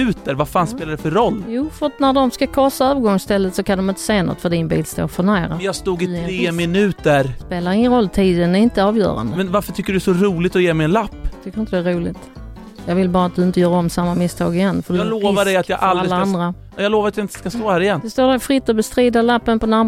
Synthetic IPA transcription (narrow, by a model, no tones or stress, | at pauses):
ʉ̟ːt̪əɾvafaːnspeːladɛfœɾɔlːjuːfœɾat̪næɖɔmskakʰɔːsaœːvəɾɡɔŋst̪ɛlːət̪sɔkʰand̪ɔmɪnt̪ə̥seːnɔ̰t̪ːfœɖɪnbḭːlst̪o̰ːɾfœɳæːɾajɑːst̪uːɡɪɾeːmɪnʉ̟ːt̪əɾspeːlaɾɪŋːənɾɔlːt̪ʰiːd̪ənɛɾɪnt̪əɑːvjœ̰ːɾa̰nd̪əmɛnvaɾfœʈʰʏkːəɖɵɛsɔɾuːlɪt̪ɔjeːmɛɪjɛnlapːt̪ʰʏkːəɾɪt̪əd̪ɛæɾuːlɪ̰t̪ | jɑːɡvɪlbɑːɾat̪̚d̪ɵɪnt̪əjœːɾɔmsamːamɪst̪ʰɑ̰ːɡɪjɛnːfədloːvadɛjat̪jɑʔalaɾɪlːaand̪ɾa | jɑloːvaɾat̪jaɪnt̪ə̥skast̪oːhæːɾɪjɛnd̪ɛst̪oːɖæɾfɾɪt̪ːɔbɛst̪ɾiːd̪alapːənpʰɔnaɾm